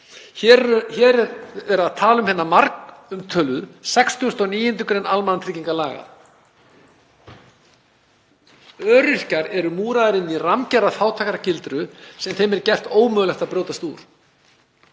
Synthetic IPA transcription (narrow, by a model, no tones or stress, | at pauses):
çɛːɾɛɾaðt̪ʰaːlʏmhɛnːamaɾkʏmt̪ʰœːlvʏðsɛkst̪ʏʏst̪ɔniːjɪnt̪̬ʏkɾɛnalmanant̪ʰɾɪciŋkalaːɣa̰ | œːɾʏr̥caɾɛɾʏmuːɾaðɪɾɪnːiramcɛɾaθaːwt̪ʰaːkaɾacɪlt̪ɾʏsɛmθejmɛɾcɛr̥t̪oːwmœːɣlɛxt̪apɾjoːwt̪ast̪ṵːɾ̥